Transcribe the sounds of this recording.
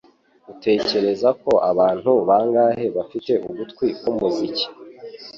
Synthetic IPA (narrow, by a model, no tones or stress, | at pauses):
ɡute̞ːce̞ɾe̞zako̞ʔaβaːn̥huβaːŋɡaːhe̞βafite̞ʔuβutkwikomuzici̥